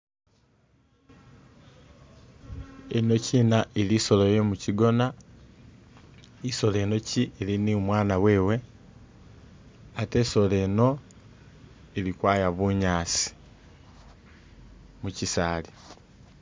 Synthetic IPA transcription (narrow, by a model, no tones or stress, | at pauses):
eno̞ciːnaʔeliso̞lojemuciɡo̞na | iso̞le̞ːno̞cieliniumwaːnaweːwe̞ | ate̞so̞le̞ːno̞ | elikwaːjaβuɲaːsi̥ | mucisaːli